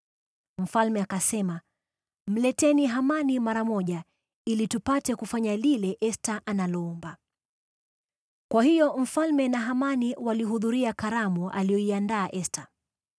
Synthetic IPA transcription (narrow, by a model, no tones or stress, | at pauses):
m̩falmɛakasɛma | m̩lɛtɛniɦamanimaɾamɔʄa | ilitupatɛkufaɲalilɛʔɛstaʔanalɔɔmba | kwahijɔm̩falmɛnaɦamaniwaliɦuðuɾiakaɾamuʔa̰lijɔiandaːʔɛsta